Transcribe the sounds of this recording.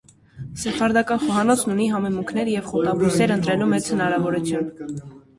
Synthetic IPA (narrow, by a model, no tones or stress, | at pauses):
sɛpʰɑɾd̪ɑkɑnχɔɦɑnɔt͡sʰnuniɦɑmɛmuŋkʰnɛɾjɛvχɔt̪ɑbusɛɾənt̪ɾɛlumɛt͡shənɑɾɑvɔɾut͡sʰjun